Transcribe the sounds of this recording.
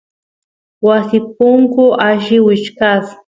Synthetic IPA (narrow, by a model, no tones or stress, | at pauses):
wasɪp̚ʊŋkʊʔaʒɪwɪt͡ʃkas